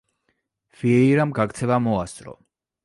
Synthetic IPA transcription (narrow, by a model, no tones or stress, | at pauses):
v̥iɛiɾamɡakt̪sʰɛvamɔast̪sʼɾɔ̰